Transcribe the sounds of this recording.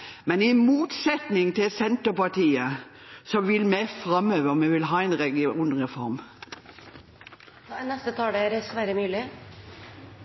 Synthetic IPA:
mɛnɪmuːt̪sɛt̪nɪŋt̪ʰɪlsɛnt̪əpɑʈiːə | sɔʋɪlmɛfɾɑmøːʋəɔmɛʋɪlɦɑːɛnʁɛɡɪuːnʁɛfɔɾm | nɛst̪ət̪ʰɑːlɛæɾsʋæɾəmʉːlɪ

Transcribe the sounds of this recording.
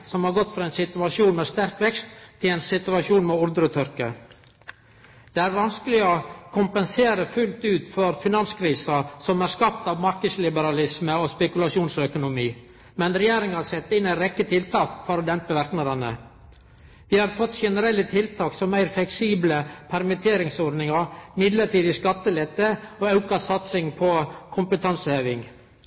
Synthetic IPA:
sɔmhɑɾɡɔt̪ːfɾɑɛɪnsɪt̪ʉɑʂuːnmɛːst̪æɾkʋɛkst̪ʰːɪlɛɪnsɪt̪ʉɑʂuːnmɛʊɾd̪ɾət̪ʰʏɾkə | d̪̥ɛæːɾʋɑnskəlɪokʰʊmpənseːɾəfʉlt̪ʉːt̪fɔɾfɪnɑnskʰɾiːsɑsɔmæɾskɑp̚t̪ɑːʋmɑɾkəd̪slɪbəɾɑlɪsməospɛkʉlɑsʂuːnsœkʊnʊmiː | mɛnɾɛjeːɾɪŋɑsɛt̪ːɪnæɪɾɛkːət̪ʰɪlt̪ʰɑːkfɔɾɔd̪ɛmpəʋæɾknɑd̪ɑnə̰ | ʋɪhɑɾfɔt̪ːʃɛnəɾɛlːət̪ʰɪlt̪ʰɑːksɔmæɪɾflɛksiːbləpʰæɾmɪt̪ʰeːɾɪŋsɔɾnɪŋɑɾmɪd̪ləʈiːd̪ɪskɑt̪ːəlɛt̪ːəɔɑʉkɑsɑt̪sɪŋpʰɔkʰʊmpət̪ʰɑnsəheːʋɪŋ

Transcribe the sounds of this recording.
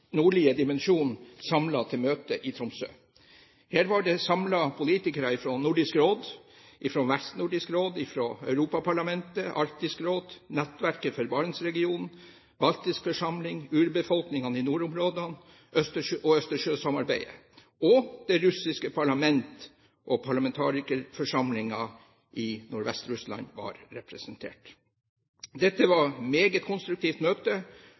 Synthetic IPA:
nuːɭɪːəd̪ɪmɛnʂuːn̩sɑmlɑt̪ʰɪlmøːt̪əʔɪt̪ʰɾʊmsø̰ː | hæːɾʋɑɖɛsɑmlɑpʰʊliːt̪ɪkəɾɑɪfɾɔnuɖɪskɾoːd̪ | ʔɪfɾɔʋæst̪nuɖɪskɾoːd̪ɪfɾoœ̰ʉɾuːpɑpʰɑɭɑmɛnt̪əʔɑɾt̪ɪskɾoːd̪nɛt̪ːʋæɾkəfɔɾbɑɾəsɾɛɡɪuːnn̩ | bɑlt̪ɪskfɔʂɑmlɪŋʉːɾbəfɔlknɪŋɑnəɪnuːɾʊmɾoːd̪ɑn | ʔœst̪əʂʔɔœst̪əʂøːsɑmɑɾbæɪə̰ | ɔd̪̥ɛɾʉsɪskəpʰɑɭɑmɛnt̪ | ʔɔpʰɑɭɑmɛnt̪ʰɑ̰ːɾɪkəɾfɔʂɑmlɪŋɑ | ʔɪnʊɾʋɛst̪ɾʉslɑ̰nʋɑ̰ɾɾɛpɾɛsənt̪ʰḛːʈ | d̪ɛt̪ːəʋɑɾmeːɡət̪kʰʊnst̪ɾʉk̚t̪ʰiːft̪møːt̪ə

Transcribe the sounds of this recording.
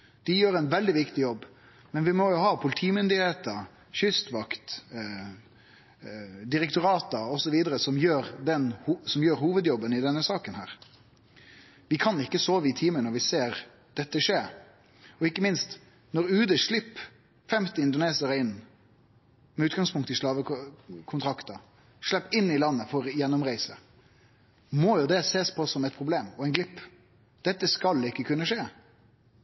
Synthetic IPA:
d̪̥ɪjøːɾænʋɛld̪ɪʋɪkt̪ɪjɔbː | mɛnʋɪmɔjʊhɑːpʰʊlɪt̪ʰiːmʏnd̪ɪheːt̪ə | çʏst̪ʋɑkt̪ | d̪ɪɾɛkt̪ʊɾɑːt̪ɑɔsɔʋiːd̪əɾəsɔmjøːɾd̪ɛnhsɔmjøːɾhuːʋəd̪jɔbːənɪd̪ɛnːəsɑːkənhæːɾ | ʋɪkʰɑnɪkːəsoːʋɪt̪ʰiːmənɔɾʋɪseːɾ | d̪̥ɛt̪ːəʂeːɾ | ɔɪkːəmɪnst̪ | nɔɾʉːd̪əʂɭɪpː | fɛmt̪ɪɪnd̪ʊneːsɪəɾəɪnː | mɛʉːt̪ɡɑŋspʰʊŋkt̪ɪʂlɑːʋəkʰʊnt̪ʰɾɑkt̪ɑ | ʂlɛpːɪnːɪlɑnːəfɔɾjɛnːɔmʁæɪsə | mɔjʊd̪ɛseːspʰɔsɔmɛɪt̪̚pʰʁʊbleːmɔɛɪnɡlɪpː | d̪̥ɛt̪ːəskɑlɪkːəkʰʉnːəʂeː

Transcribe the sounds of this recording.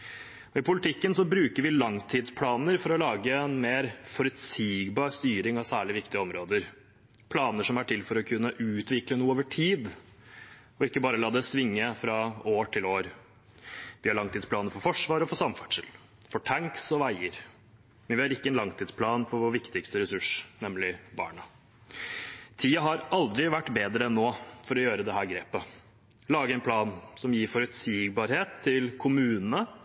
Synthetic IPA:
ɔɪpʊlɪt̪ʰɪkːənsɔbɾʉːkəɾʋɪlɑŋt̪ʰiːd̪spʰlɑːnəɾfɔɾɔlɑːɡəɛnmeːɾfɔɾʉt̪siːɡbɑːɾst̪yːɾɪŋɑʋsæːɭɪʋɪkt̪ɪəɔmɾoːd̪əɾ | pʰlɑːnəʂɔmæʈʰɪlfɔɾɔkʰʉnːəʔʉːt̪ʋɪklənuːəoːʋəʈʰiːd̪ | ɔɪkːəbɑːɾəlɑːd̪ɛsʋɪŋːəfɾɑoːʈʰɪloːɾ | ʋɪhɑɭɑŋt̪ʰiːd̪spʰlɑːnəfɔɾfɔʂʋɑːɾɔfɔsɑmfæʈʂɪl | fɔʈʰæŋksɔʋæɪəɾ | mɛnʋɪhɑɾɪkːəɛnlɑŋt̪ʰiːd̪spʰlɑːnfɔɾʋoːɾʋɪkt̪ɪkst̪əɾɛsʉʂnɛmlɪbɑ̰ːɳə | t̪ʰiːəɦɑɾɑld̪ɾɪʋæʈːbeːd̪ɾəɛnːoːfɔɾɔjøːɾəd̪ɛɦæːɾɡɾeːpə | lɑːɡəɛɪnpʰlɑːnsɔmjiːɾfɔɾʉt̪siːɡ̚bɑːɾheːt̪ʰːɪlkʰʊmʉːnənə

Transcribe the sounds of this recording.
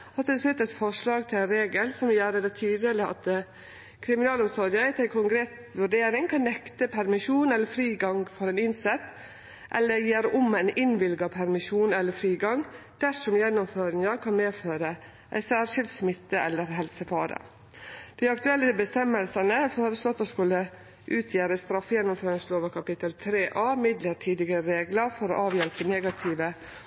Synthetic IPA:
ɑt̪ːɪlslʉt̪ːɛt̪fɔʂɭɑːɡt̪ʰɪlænɾeːɡəlsɔmjæːɾəd̪ɛt̪ʰyːd̪ələɑ̰t̪ | kʰɾɪmɪnɑːlɔmsɔd̪ɪəæɪt̪æɪkʰʊŋɡɾeːs | ʋʉɖeːɾɪŋkʰɑnːɛkt̪əpʰæɾmɪʃuːnɛlːəɾfɾiːɡɑŋfɔɾɛnɪnsɛt̪ː | ʔɛ̰lːəɾjeːɾʊmæɪnʔɪnʋɪlɡɑpʰæɾmɪʃuːnɛlːəfɾiːɡɑŋ | d̪̥æʂɔmjɛnːʊmføːɾɪŋɑkʰɑnmeːføːɾə | ʔæ̰ɪsæːɾʂɪlt̪smɪt̪ːəɛlːəɾɦɛlsəfɑːɾə̰ | d̪̥æɪɑk̚t̪ʉɛlːəbəst̪ɛməlsənəfoːɾəslɔt̪ːoːskʉlːə | ʔʉːt̪ʰjeːɾəst̪ɾɑfjɛnːʊmføːɾɪŋsloːʋəkʰɑpɪt̪əlt̪ʰɾeːʔɑːmɪd̪ləʈʰiːd̪ɪɡəɾɾeːɡləɾfɔɾo̰ːʔɑːʋjɛlpəneːɡɑt̪ʰiːʋə

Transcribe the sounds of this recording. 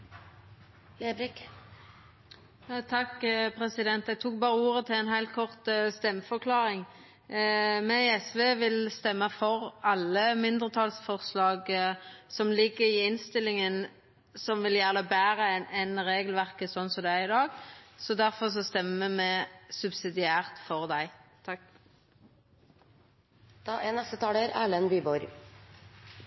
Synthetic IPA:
eblɪk | t̪ʰɑkːpʰɾɛsɪd̪ɛnt̪ɛɡ̚t̪ʰuːk̚bɑːʁəuːɾət̪ʰɪlɛnɦæɪlt̪kʰɔʁt̪st̪ɛmːəfɔʁkʰlɑːɾɪŋ | mɛɛsʋeːʋɪlst̪ɛmːəfɔʁɑlːəmɪnd̪ʁət̪ʰɑːlsfɔʁslɑːɡsɔmlɪɡːəɪɪnst̪ɪlːɪŋən | sɔmʋɪljæʁləbæːʁənɛnʁeːɡəlʋæʁkəsɔnsɔd̪ɛæʁɪd̪ɑːɡsɔd̪æʁfɔʁs̬ɔst̪ɛməmɛsʉbsɪd̪ɪæːʁt̪fɔʁd̪æɪt̪ʰɑk | d̪̥ɑːʔɛnɛst̪ət̪ʰɑːləɾæːlənbyːbɔɾ

